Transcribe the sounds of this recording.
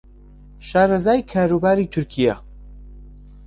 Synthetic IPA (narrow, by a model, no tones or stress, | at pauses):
ʃaːɾɐzaːjkʰaːɾubaːɾiːt̪ʰʊɾkʰija